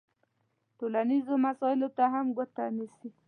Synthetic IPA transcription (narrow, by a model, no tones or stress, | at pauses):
ʈolanizomasɔɪlot̪aɦamɡʊt̪anisi